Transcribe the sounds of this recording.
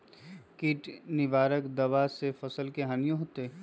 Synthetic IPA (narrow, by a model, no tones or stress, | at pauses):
kiːʈnɪʋaːɾəkd̪ɐʋasefɐsəlkeɦaːnijõɦoːt̪e